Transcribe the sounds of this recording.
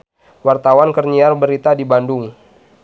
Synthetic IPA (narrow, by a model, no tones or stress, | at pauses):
wart̪awankərɲiarbəɾit̪adibandʊŋ